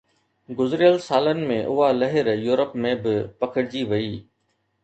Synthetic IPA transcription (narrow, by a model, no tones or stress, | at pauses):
ɡʊzɾɪjəlsaːlənɪ̆mẽʔʊɦalɐɦɪɾjuːɾəpmẽbɪpɐkʰəɽɪd͡ʑiʋɐiː